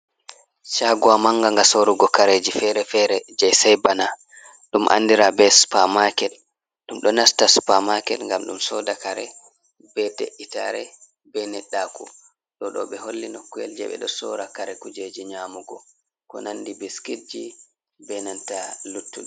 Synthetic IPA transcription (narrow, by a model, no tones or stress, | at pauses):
ʃaɡuwamaŋɡaŋɡasoɾuɡɔkaɾed͡ʒifɛɾɛfɛɾɛd͡ʒajsɛjbana | ɗumʔa̰nːdiɾabɛspamakɛl | ɗumɗɔnastaspamakɛlŋɡamɗumsɔdakaɾɛ̰ | b̥ɛteʔːitaɾɛ | bɛnɛɗːakṵ | ɗɔɗɔ̰ɓɛɦolːinokːuɛ̰ld͡ʒɛ̰ɓɛ̰ɗɔsɔ̰ɾakaɾɛkud͡ʒed͡ʒiɲamuɡɔ | kɔ̰nandibiskiɾd͡ʒi | bɛnantalutːuɗ